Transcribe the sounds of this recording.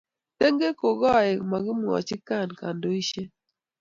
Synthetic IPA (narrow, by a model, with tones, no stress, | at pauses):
te˦ŋɡe˦ko˨ɡɔ˦˨ɛ˨ma˨ɡɪ˦mwɔ̰˨t͡ʃɪ˦ka˦˨nka˨ndo˦i˦ʃe˦